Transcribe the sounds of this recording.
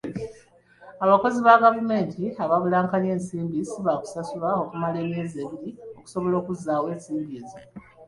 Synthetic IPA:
aβako̞ziβaɡavume̞ːntʰiaβaβulaːŋkane̞ːnsiːmbisiβaku̥sasulao̞kumale̞ːmezeβiɾio̞ku̥so̞βo̞lo̞ːkuzːaːwe̞ːnsiːmbiːza

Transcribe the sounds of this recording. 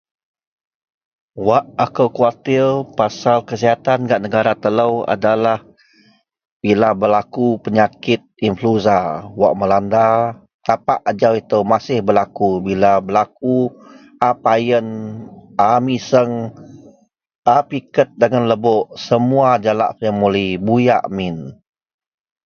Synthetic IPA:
waʔakəwkuat̪ɪlpasalkəsiɦat̪anɡaʔnəɡaɾat̪ələwa̰dalah | bilabəlakupəɲakɪt̪̚influzawa̰ʔməlanda | t̪apaʔad͡ʒawit̪əwmasɪhbəlakubilabəlak̚u | ʔapajənʔamisəŋ | ʔapikət̪̚dəŋanləboʔsəmuad͡ʒala̰ʔjəŋmulibuja̰ʔmɪn

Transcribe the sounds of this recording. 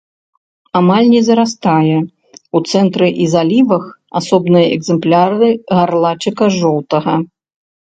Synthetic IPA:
amalʲnʲɛzɐɾast̪ajɛ | ut̪sɛnt̪ɾɨʔizalʲivɐx | asɔbnɨjɐɛɡzɛmplʲaɾɨɣarlˠat͡ʃɨkɐʐɔwt̪ɐɣɐ

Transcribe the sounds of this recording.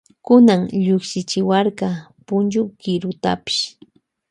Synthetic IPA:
kʊnaŋʎʊkʃɪt͡ʃɪwaɾkɑpʊnd͡ʒʊkɪɾʊt̪a̰pɪ̥ʃ

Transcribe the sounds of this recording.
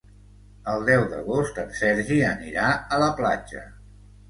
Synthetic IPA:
əlˠd̪ɛwd̪ə̰ɣost̪əmsɛɾʒiənḭɾaələpla̰d͡ʒə̰

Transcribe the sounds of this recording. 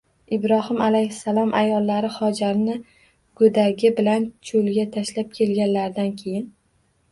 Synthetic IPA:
ɪbɾɒhɪmalajhɪsalˠɒmʔa̰jɒlˠːaɾɪχɒd͡ʒaɾnɪ | ɡ̥ɵd̪aɡʲɪbɪlant͡ʃʰolɡʲat̪ʰaʃlap̚kʲʰe̞lɡʲanlaɾd̪ankʲʰe̞jɪn

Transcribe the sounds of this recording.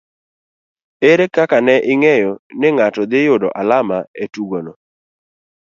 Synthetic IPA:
eɾekakanɛʔɪŋɛjɔnɪŋatɔd̪ɪjʊdɔ̰ʔalamaetuɡonɔ

